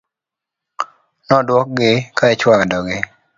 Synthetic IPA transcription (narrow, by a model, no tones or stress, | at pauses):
nɔdwɔk̚ɡɪkaɛt͡ʃwaŋdɔɡɪ